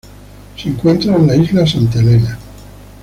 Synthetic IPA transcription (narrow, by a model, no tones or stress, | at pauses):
seŋkwe̞nt̪ɾaenlaizlasant̪elena